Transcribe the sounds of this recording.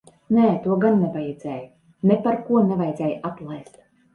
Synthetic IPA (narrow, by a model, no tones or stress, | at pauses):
nɛːt̪uɔɡanːɛbajɛd̪z̥ʲɛːj | nɛpaɾkuɔnɛvajd̪zɛːjat̪lˠajst̪